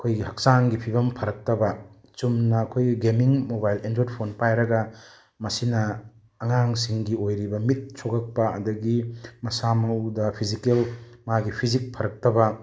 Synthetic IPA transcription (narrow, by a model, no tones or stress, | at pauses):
ɐkʰojɡiɦɐk̚saŋɡipʰibɐmpʰɐɾɐk̚tɐbɐ | t͡ʃumnɐːkʰojɡemiŋmobajlendɾod̚pʰonpajɾɐɡɐ | mɐsinɐː | ŋaŋsiŋɡiojɾibɐmit̚sʰoɡɐk̚pɐɐ̰dɐɡimɐsamɐwdɐpʰizikelmaɡipʰizik̚pʰɐɾɐk̚tɐbɐ